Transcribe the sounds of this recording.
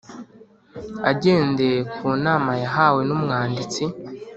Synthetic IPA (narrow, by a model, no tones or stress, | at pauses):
aɟe̞ːnde̞kuːnaːmajaɦaːwe̞numŋaːndit͡si